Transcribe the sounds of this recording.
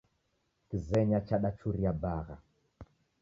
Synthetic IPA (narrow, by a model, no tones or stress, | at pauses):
kizɛɲat͡ʃaɗat͡ʃuɾiabaɣa̰